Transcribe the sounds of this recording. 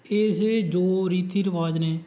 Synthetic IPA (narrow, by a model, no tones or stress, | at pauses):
eːsed͡ʒoːɾiːt̪ʰiːɾəʋaːd͡ʒneː